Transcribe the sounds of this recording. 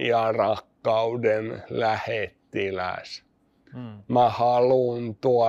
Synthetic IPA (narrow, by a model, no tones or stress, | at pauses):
ɑrɑkːɑudenlæhet̪ːilæ̰s | mæhɑlunt̪uɑ